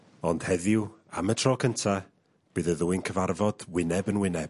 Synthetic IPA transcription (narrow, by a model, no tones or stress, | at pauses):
ɔnd̥hɛðɪwamətʰrɔːkʰəntʰa | b̥ɨːðəðuːɨnkʰəvarvɔd̥wɪnɛbənwɪnɛb̥